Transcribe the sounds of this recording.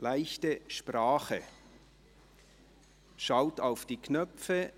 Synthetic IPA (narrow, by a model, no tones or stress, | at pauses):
laɪçtəʃpʁaːχə | ʃaʊtaʊfd̥iːkʰnœfə